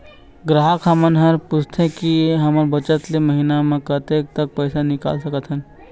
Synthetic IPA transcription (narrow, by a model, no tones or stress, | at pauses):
ɡɾaɦakʰamənɦɐɾpʊst̪ʰekiɦɐməɾbət͡ʃət̪leməɦinamẽkət̪ek̚t̪ək̚pəːsanɪka̰ːlsəkət̪ɦən